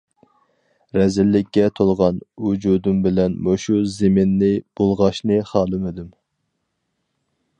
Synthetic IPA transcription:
ɾɛzɪlːɪkʲːɛt̪ʰolˠʁɑnud͡ʒud̪umbɪlɛnmoʃuzemɪnːɪb̥olˠʁɑʃnɨχɑːlˠɨmɪd̪um

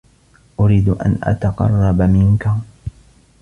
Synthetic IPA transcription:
ʔʊɾiːd̪ʔa̰nʔa̰t̪ɑqɑ̰rˤːɑbamɪnka

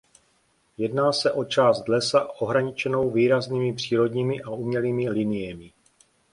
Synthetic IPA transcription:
jɛdnaːsɛʔo̞t͡ʃaːst̪̚dlɛsaʔo̞ɦɾaɲɪt͡ʃɛno̞wviːɾazniːmɪpr̝̥iːɾo̞dɲiːmɪʔaʔumɲɛliːmɪlinɪjɛmɪ

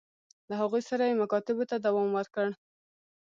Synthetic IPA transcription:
laɦaɣujsaɾajemakɑt̪ɪbot̪ad̪awɑmwəɾkəɽ

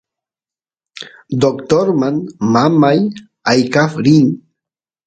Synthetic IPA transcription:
d̪okt̪oɾmanmamaj | ajkafɾin

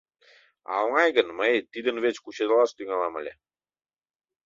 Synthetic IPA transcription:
ɑ̰lŋɑjɡə̆nmət̪id̪ə̆nβet͡ɕkut͡ɕed̪əlɑst̪yŋælɑmə̰lʲe

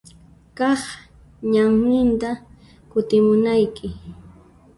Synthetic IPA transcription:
kɑχ | ɲaŋnɪnt̪a | kʊt̪ɪmʊnajkɪ

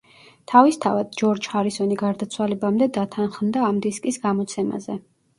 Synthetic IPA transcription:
t̪ʰavist̪ʰavad̪̥̚d͡ʒɔɾd͡ʒχaɾisɔniɡaɾd̪at̪sʰwalɛbamd̪ɛd̪at̪ʰanχmd̪aːmd̪iskʼisɡamɔt̪sʰɛma̰zɛ

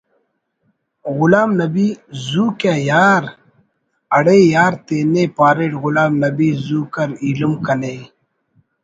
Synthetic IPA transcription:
ɣulaːmnɐbizuːkajaːɾ | ɐɽeːjaːɾt̪eːnepaːɾeʈɣulaːmnɐbizuːkɐɾiːlumkɐne

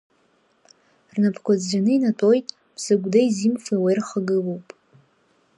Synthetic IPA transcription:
rnapʰkʷad͡zd͡ʒanɨinatʼo̞jtʼ | b̥sɨɡʷdaizimfawajrχaɡɨlowpʼ

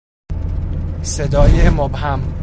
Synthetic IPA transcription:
sed̪ɒːjemobhæm

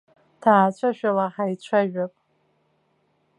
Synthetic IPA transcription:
tʰaːt͡ɕʷʰaʃᶣalaħait͡ɕʷʰaɥᶣapʼ

